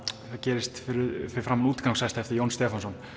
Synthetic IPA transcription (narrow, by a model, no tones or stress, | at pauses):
θaðcɛːɾɪst̪fɪɾɪfɪɾɪ̥fɾaːmnuːt̪kawŋsɛst̪aɛft̪ɪɾjownst̪ɛːfansɔn